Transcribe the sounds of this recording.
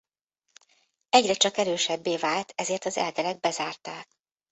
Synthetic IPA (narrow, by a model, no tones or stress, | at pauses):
ɛɟrɛt͡ʃɒkɛɾøːʃɛbːeːvaːlt̪ʰɛzeːrt̪ɒzɛ̰ld̪ɛlɛɡ̚bɛzaːrt̪aːk̚